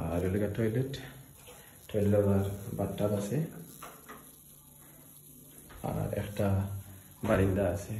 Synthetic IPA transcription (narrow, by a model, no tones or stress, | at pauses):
aɹuluɡatʰɔjlet | tʰːɔjllɔbaɹbatːabasɛ | a̰ɹɛ̰kʰta | baɹindaːsɛ